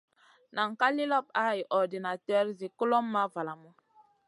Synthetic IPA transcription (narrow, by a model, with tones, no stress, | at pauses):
na˨ŋ̩˨ka˦li˦lɔ˦p̚a˦˨i˨ʔɔ˨di˨na˨tɛ˦ɾzi˨ku˦lɔ˦mː˦a˦va˨la˨mu˦